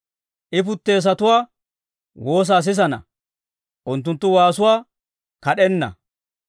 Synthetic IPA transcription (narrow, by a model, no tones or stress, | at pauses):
ʔɪp̬ʊt̪ːe̞ːs̬ɐt̪ʊwaː | wo̞ːs̬aːs̬ɪs̬ɐnɐ̰ | ʔʊnt̪̬ːʊnt̪ːʊwaːsʊwaː | kɐɗɛnːɐ̰